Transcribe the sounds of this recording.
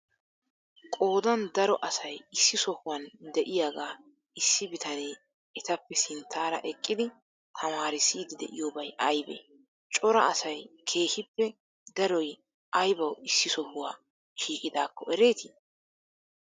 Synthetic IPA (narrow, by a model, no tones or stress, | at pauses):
kʼo̞ːd̪ɐnd̪ɐɾɔʔɐsɐjɪsːɪsɔhʊwɐnd̪ɛʔɪjaːɡaː | ɪsːɪbɪt̪ɐneː | ɛt̪ɐpːɛsɪnt̪ʰːaːɾɐ̰ʔɛkʼːɪd̪ɪ | t̪ʰɐmaːɾɪsiːd̪ɪd̪ɛ̰ʔɪjoːbɐjɐjbḛː | t͡ʃʼɔɾɐʔɐsɐjkʰe̞ːhɪpːɛ | d̪ɐɾɔj | ʔɐjbɐwɪsːɪsɔhʊwaː | ʃiːkʼɪd̪aːkːɔʔɛɾe̞ːt̪i